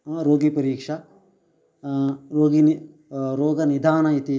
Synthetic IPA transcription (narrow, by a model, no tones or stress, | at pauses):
ɾoːɡipɐɾiːkʂɐ | ɾoːɡini | ɾoːɡɐnid̪ʱaːnɐit̪i